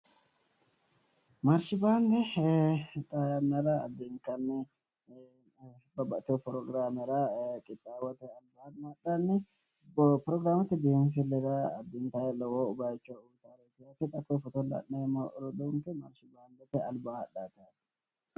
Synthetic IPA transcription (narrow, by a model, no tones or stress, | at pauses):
mɐɾʃɪbaːnd̪ɛ | t̪ʼajɐnːɐɾɐːd̪ːɪŋkɐnːɛ | bɐbɐt̪ːɪɔpɾɔɡɾaːmɛɾakʼɪt̪ʼːaːwɐt̪ɛɐlbamaɗanːɛ | pɾɔɡɾaːmɐt̪ːɪd̪eːms̬ɪlːɛɾɐːd̪ːɪnt̪ajɛlɔwoːʊbaːjt͡ʃːout̪aːɾet̪ɪjat̪ːɛt̪ʼɐkːofɔt̪ɔlɐ̰nːeɾɔd̪uŋkɛmɐɾʃɪbaːnd̪ɛt̪ɛɐlbaɐɗaːt̪at̪